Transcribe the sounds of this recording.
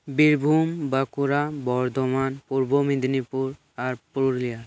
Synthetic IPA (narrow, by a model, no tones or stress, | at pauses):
biɾbʱumbakuɾabɔɾd̪ɔmanpuɾbomid̪nipuɾ | aɾpuɾuɾlijaɾ